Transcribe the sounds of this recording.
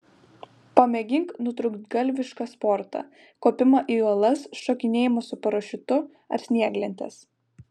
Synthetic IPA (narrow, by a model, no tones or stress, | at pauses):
pɐmʲɛɡʲɪŋknʊt̪ɾʊkt̪ɡɐlʲʋʲɪʃkɑspɔɾt̪ɑ̰ | koːpʲɪmɐʔiːuɔlˠɐsʃɔkʲɪnʲeːjɪmosʊpɐɾoːʃʲɪt̪ʊ | ɐ̰ɾsʲnʲiɛɡlʲɛnʲt̪ʲɛ̰s